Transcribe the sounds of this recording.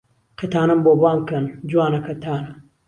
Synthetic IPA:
qʰɐt̪ʰaːnɐmboːbwaːmkɐnd͡ʒuwaːnɐkʰɐt̪ʰaːnɐ

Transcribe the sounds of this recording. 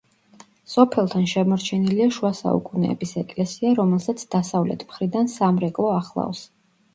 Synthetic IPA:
sɔpʰɛlˠt̪ʰanʃɛmɔɾt͡ʃʰɛniliaʃuasa̰ṵkʼunɛ̰ːbisɛkʼlɛsiaɾɔmɛlˠsat̪sʰd̪̥asavlɛ̰t̪ʰmχɾid̪ansamɾɛkʼlˠɔaχlˠa̰vs

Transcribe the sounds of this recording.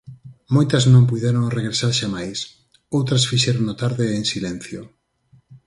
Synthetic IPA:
mojt̪ɐznõmp̬ujðeɾoŋreɣɾesaɾʃamajs | owt̪ɾɐsfiʃɛɾonot̪aɾðeeŋsilɛn̟θjo

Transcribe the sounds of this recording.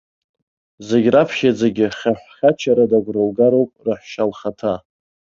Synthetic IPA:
zeɡʲrapʰχʲad͡zeɡʲɪχʲaħχʲat͡ʃʰaɾadaɡʷrɨlɡaɾowpʼrɨħʃalχatʰa

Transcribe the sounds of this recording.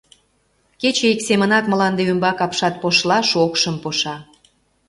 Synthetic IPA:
ket͡ɕeiksemənɑk̚mə̆lɑnd̪eymbɑkɑpʃɑt̪̚poʃlɑʃokʃəmpoʃɑ

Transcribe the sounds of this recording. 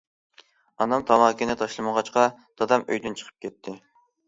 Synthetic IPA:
ɑnɑmt̪ʰɑmɑːkʲinɪt̪ʰɑʃlˠɨməʁɑt͡ʃqʰɑd̪̥ɑd̪ɑmø̰jd̪ynt͡ʃʰə̥qʰə̥p̚kʲʰɛt̪ʰːɪ

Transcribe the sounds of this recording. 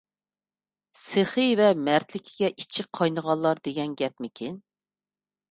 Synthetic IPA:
seχɨvɛmæɾt̪lɪkʲʰiɡʲɛʔit͡ʃʰɪqʰɑjnəʁɑlˠːɑɾd̪eɡʲɛnɡʲɛp̚mɪkʲʰin

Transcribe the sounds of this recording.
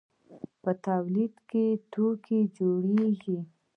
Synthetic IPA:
pət̪awlid̪ket̪ʰokʰed͡ʒoɽeɡi

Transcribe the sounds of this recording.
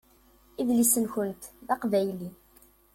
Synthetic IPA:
iðlisənçənt̪ðɑqvæjli

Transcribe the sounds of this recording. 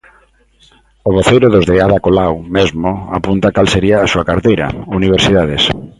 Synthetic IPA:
oβoθejɾʊðʊzðeaðakolawmezmoapunt̪akalseɾiaːsuakaɾt̪ejɾɐ̰uniβ̞eɾsiðaðes

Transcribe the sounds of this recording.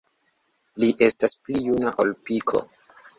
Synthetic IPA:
liʔe̞stasplijunaʔolpikʰo̰

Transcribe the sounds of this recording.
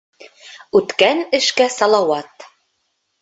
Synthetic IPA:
ʉt̪kænɘ̆ʃkæsɑlˠɑwɑt̪

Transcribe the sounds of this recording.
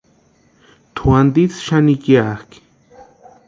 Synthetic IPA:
t̪ʰuand̪it͡sʃanikjak

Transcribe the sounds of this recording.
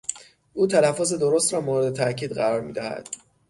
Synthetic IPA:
ʔuːt̪ʰælæfːoːze̞d̪o̞ɾost̪ɾɒːmoːɾed̪e̞t̪ʰæʔcʰiːd̪ɢæɾɒːɾmḭːd̪æhæ̰d̪̥

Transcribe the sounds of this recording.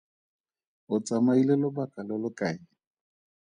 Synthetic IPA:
ʊt͡sʼamailelʊbakʼalɔlʊkʼaːɪ

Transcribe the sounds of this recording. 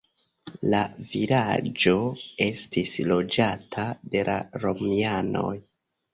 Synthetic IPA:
lavilad͡ʒo̞e̞stislo̞d͡ʒatʰade̞la̰ɾo̞miano̞̰j

